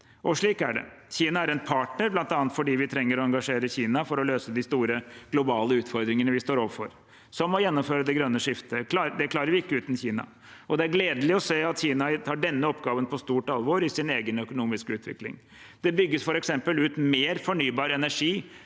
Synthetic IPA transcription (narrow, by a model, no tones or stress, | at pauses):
ʔɔʂɭiːkæɖɛ̰ | çiːnɑæɾɛnpʰɑːʈnəɾblɑnt̪ɑːnət̪fɔɖiːʋɪt̪ʰɾɛŋːəɾɔɛɑŋɡɑʂeːɾəçiːnɑfɔɾɔløːsəd̪ɪst̪uːɾəɡ̥lʊbɑːləʉːt̪fɔɾd̪ɾɪŋənəʋɪst̪oːɾɔːʋəfɔ̰ɾ | sɔmːɔjɛnːɔmføːɾəd̪ɛɡɾœnːəʂɪft̪əɑd̪ɛkʰlɑːɾəɾʋɪɪkːəʉːt̪nçiːnɑ̰ | ʔɔd̪ɛæɾɡleːd̪əlɪɔseːɑt̪çiːnɑt̪ʰɑːɖɛnːəɔpːɡɑːʋənpʰɔst̪uːʈɑlʋoːɾɪsɪneːɡənœkʊnuːmɪskəʉːt̪ʰʋɪ̰klɪ̰ŋ | d̪̥ɛbʏɡːəsfɔɾɛksɛmpəlʉːt̪meːɾfɔɳyːbɑːɾɛnæʂiː